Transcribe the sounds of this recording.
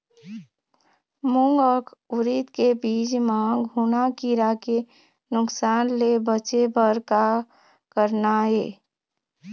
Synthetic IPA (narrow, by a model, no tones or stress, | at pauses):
mʊ̃ŋɡəkʰʊɾit̪kebiːd͡ʒmãɡʱunakiɾake | nʊksaːnlebət͡ʃebəɾka | kəɾnaɦeː